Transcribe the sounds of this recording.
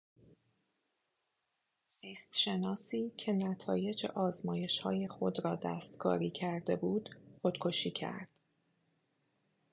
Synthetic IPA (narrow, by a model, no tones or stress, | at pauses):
ziːst̪ʃe̞nɒːsiːcʰe̞næt̪ʰɒ̰ːje̞d͡ʒḛʔɒːzmɒːje̞ʃhɒːje̞xo̞d̪ɾɒːd̪æ̰ːst̪kʰɒ̰ːɾiːcʰæɾd̪e̞buːd̪̥χod̪kʰo̞ʃiːcʰæ̰ɾd̪̥